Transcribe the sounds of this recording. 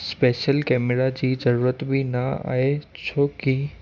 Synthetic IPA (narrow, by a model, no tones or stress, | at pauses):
speːʃəlkɛːmɪɾad͡ʑiːzɐɾuːɾət̪bʱinaa̰ːɦet͡ɕʰoːki